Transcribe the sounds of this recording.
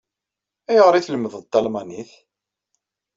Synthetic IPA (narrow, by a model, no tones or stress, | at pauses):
æjʁɾˤiθləməðəðt̪ːɑlmaniθ